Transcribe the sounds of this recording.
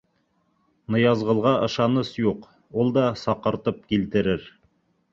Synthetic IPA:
nɤ̆jɑzʁɤ̆lˠʁɑʔɤ̆ʃɑnɤsjuq | ulˠd̪ɑsɑqɤ̆ɾt̪ɤp̚kilt̪ɘ̆ɾɘɾ

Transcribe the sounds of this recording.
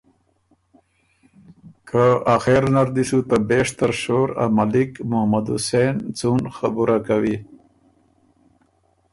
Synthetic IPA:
kʰaaxeɾnaɾd̪isut̪abeʂt̪aɾʃoːɾa̰malikmʊhmad̪ṵsent͡sunxabuɾʔakawi

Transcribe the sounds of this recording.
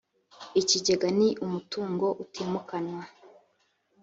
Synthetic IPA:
iciɟeɡaniʔumutuːŋɡo̞ʔutʰiːmukanwa

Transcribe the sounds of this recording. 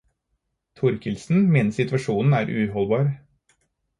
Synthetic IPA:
t̪ʰʊɾkʰɪlsn̩meːnəsɪt̪ʋɑʂuːnn̩æːɾʔʉ̰ɦɔlbɑːɾ

